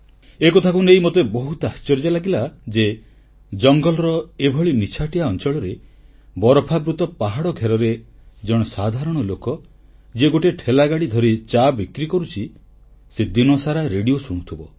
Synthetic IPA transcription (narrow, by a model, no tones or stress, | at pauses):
ekot̪ʰakunejmot̪ebɔɦut̪ɔast͡ʃɔɾd͡ʒalaɡilad͡ʒe | d͡ʒɔŋɡɔlɔɾɔebʱɔɭinit͡ʃʰaʈiaɔnt͡ʃɔɭɔɾe | bɔɾɔpʰabɾut̪ɔpaɦaɽɔɡʱeɾɔɾed͡ʒɔɽ̃ɔsad̪ʱaɾɔɽ̃ɔlokɔ | d͡ʒeɡoʈeʈʰelaɡaɽid̪ʱɔɾit͡ʃabikɾikɔɾut͡ʃʰi | sed̪inɔsaɾaɾeɽijosuɽ̃ut̪ʰibɔ